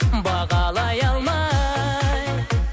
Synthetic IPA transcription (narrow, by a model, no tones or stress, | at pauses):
bɑʁɑlˠɑjɑlˠmɑ | j